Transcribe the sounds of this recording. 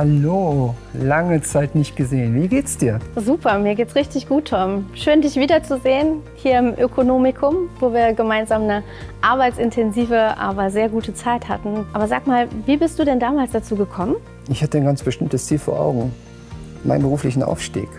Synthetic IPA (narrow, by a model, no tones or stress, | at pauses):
halolaŋət͡saɪtnɪçt̚ɡ̥əzeːənviːɡeːtsd̥iːɐzuːpʰɐmiːɐɡeːtsʁ̥ɪçtɪçɡ̥uːtʰːɔmʃøːndɪçv̥iːdɐt͡suzeːənhiːɐɪmʔøkʰonoːmɪkʰʊmvoːviːɐɡəmaɪnzaːmnə | ʔaɐbaɪtt͡sɪntʰɛnziːvəʔa̰ːbɐzeːɐɡuːtət͡saɪtha̰tn̩ʔaːbɐzaːkmaːlviːbɪstd̥uːdɛndaːmaːlsd̥at͡suːɡəkʰɔmən | ɪçhatənɡant͡sb̥əʃtɪmtəst͡siːlfoːɐʔa̰ʊɡŋ̩ | mʔa̰ɪnbəʁuːflɪçn̩ʔa̰ʊfʃtḭːk